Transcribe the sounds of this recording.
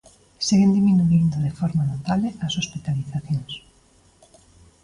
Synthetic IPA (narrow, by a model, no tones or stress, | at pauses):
siɣend̪iminuind̪oðefɔɾmanot̪aβleʔɐsospit̪aliθaθjõŋs